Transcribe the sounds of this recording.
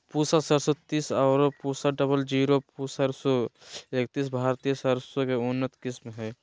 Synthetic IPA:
puːsasəɾsot̪iːsaːɾpuːsaɖəbəld͡ʒiːɾopusəɾsoek̚t̪iːs̬bʱaːɾt̪ijəsəɾsokeʊnːət̪kɪsmɦɛː

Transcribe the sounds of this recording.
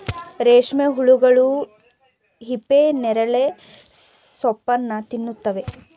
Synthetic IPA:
ɾeːʂmeɦuɭuɡɐɭu | ɦipːenɛɾɐɭe | sɔpːɐnːɐt̪inːut̪ːɐʋe̞

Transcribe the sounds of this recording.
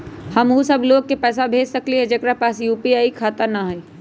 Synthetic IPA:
hɐmɦusɐbloːɡ̚kepɛːs̬abʱeːd͡ʒsɐkliɦɛd͡ʒɐɡɾapaːsjuːpiaːikʰaːt̪əɾnaɦɐ

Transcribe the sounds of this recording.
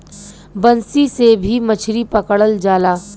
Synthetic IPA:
bənsisebʱimɐt͡ʃʰɾipɐkɽəld͡ʒaːlaː

